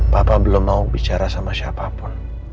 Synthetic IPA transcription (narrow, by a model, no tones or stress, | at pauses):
papabəlʊmːaubit͡ʃaɾasamasiapapʊn